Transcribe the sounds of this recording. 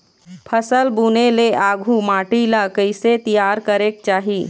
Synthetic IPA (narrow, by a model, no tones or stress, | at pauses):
pʰəsəlbuːneleʔaːɡʱumaːʈilakəɪset̪ijaːɾkəɾeːk̚t͡ʃaːɦiː